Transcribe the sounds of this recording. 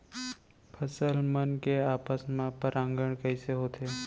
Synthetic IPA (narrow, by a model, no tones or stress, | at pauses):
pʰəsəlmənkeaːpəsmãpəɾãŋɡəɽ̃kəɪseɦoːt̪ʰe